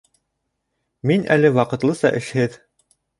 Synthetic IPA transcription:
minʔæ̰lɘwɑqɤ̆t̪lˠɤsɑ̰ʔɘ̆ʃhɘð

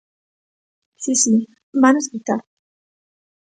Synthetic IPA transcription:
sisi | banoskit̪aɾ

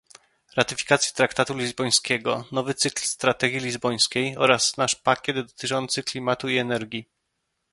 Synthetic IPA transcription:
ɾat̪ɘfʲi̥kat̪sʲji̥t̪ɾakt̪at̪ulʲizbɔj̃skʲɛɡɔnɔvɘt̪sɘklst̪ɾat̪ɛɡʲjilʲizbɔj̃skʲejɔɾasnaʂpakʲɛd̪d̪ɔt̪ɘt͡ʂɔnt̪sɘklʲimat̪uiɛnɛɾɡʲi

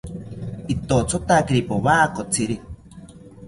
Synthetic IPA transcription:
it̪ot͡sʰot̪akiɾipoβaːkot͡sʰiɾi

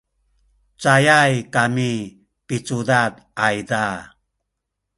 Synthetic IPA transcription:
t͡sajajkami | pit͡sudad | ajda

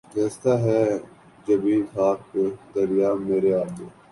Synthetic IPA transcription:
ɡɛːst̪aɦɛ | d͡ʒɐbiːnɦaːked̪ɐɾɪjameːɾeaːe

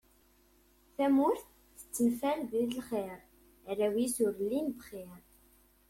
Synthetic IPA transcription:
θæmʊɾθ | θə̥t͡sːənfælðiðəlχeɾ | ræwisʊɾlːinbχiɾ

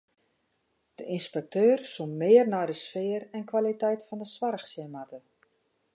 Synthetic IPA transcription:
d̥əʔinspɛk̚tøːrsummɪːərnɔjdəsfɪːərɛnkʋalitɛjtfɔndəsʋarxsjəmatə

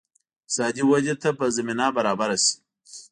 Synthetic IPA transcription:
sɑːd̪iwad͡ʒet̪apəzaminɑbaɾɑːbaɾasi̥

